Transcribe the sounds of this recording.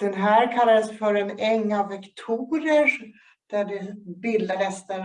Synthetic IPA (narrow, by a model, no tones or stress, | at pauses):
d̪̥ɛnɦæːɾkʰalːad̪əsfœɾɛnɛŋːavɛkt̪ʰuːɾəʂ | d̪̥æɖɛbɪld̪aɾɛst̪ə